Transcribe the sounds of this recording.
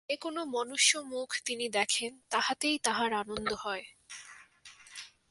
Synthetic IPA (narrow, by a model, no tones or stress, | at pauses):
ekonomɔnuʃːomukʰt̪inid̪ɛkʰent̪aɦat̪ejt̪aɦaɾanond̪oɦɔe